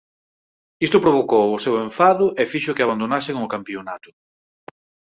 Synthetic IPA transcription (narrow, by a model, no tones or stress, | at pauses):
ist̪ʊpɾoβ̞okowʊsewẽɱfaðʊʔefiʃʊkɪaβand̪onasɪŋʊkampionat̪ʊ̥